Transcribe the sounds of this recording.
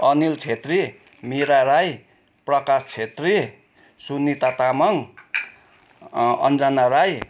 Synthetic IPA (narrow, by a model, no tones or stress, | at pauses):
ʌnilt͡sʰet̪ri | miɾaɾaj | prʌkast͡sʰet̪ri | sunːit̪at̪amʌŋ | ʌ̰nd͡zanaɾaj